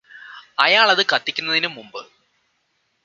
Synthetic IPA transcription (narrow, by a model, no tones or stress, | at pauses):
ɐjaːɭɐðɨkɐt̪ːikʲːunːɐðinumːumbɨ